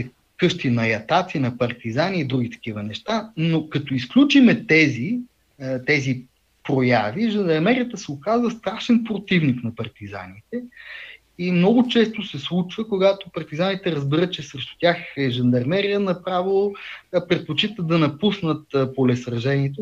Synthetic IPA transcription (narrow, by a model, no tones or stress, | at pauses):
kɤʃt̪inɐjɐt̪at̪sinɐpɐɾt̪izaniːd̪ɾuɡ̟it̪ɐ̥k̟ivənɛʃt̪anokɐt̪oisklʲut͡ʃimɛt̪ɛzi | t̪ɛzi | pɾojaviʒənd̪ɐɾmɛɾijət̪əsɛokazvəst̪ɾaʃɛnpɾot̪ivniknɐpɐɾt̪iza̰nit̪ɛ | imnɔɡʊt͡ʃɛst̪osɛslˠut͡ʃvəkoɡat̪opɐɾt̪izanit̪ɛɾəzbiɾət̪̚t͡ʃɛsɾɛʃt̪ʊ̥t̪ʲjaxɛʒɐnd̪ɐɾmɛɾijənɐpɾavilˠpɾɛt̪̚pot͡ʃit̪əd̪ɐnɐpusnət̪polɛsɾɐʒɛniɛt̪o